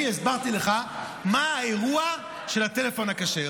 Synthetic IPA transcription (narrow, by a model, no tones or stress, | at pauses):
iesbaʁt̪ileχa | maːeʁua | ʃe̞lat̪e̞lefo̞nakaʃe